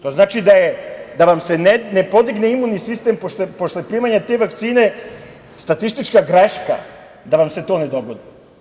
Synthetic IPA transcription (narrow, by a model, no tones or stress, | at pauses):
t̪o̞znaːt͡ʃid̪ajed̪aʋamse̞nenepo̞d̪iɡne̞imuːnisist̪e̞mpoʃepo̞slepɾiːmaɲat̪e̞ʋakt̪siːne̞ | st̪at̪ist̪it͡ʃkaɡɾeʃka̰ | d̪aʋamse̞t̪o̞ːned̪o̞ɡod̪i